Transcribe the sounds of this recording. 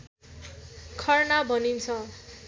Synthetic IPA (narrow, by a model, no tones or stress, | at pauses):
kʰʌrnabʱʌnint͡sʰʌ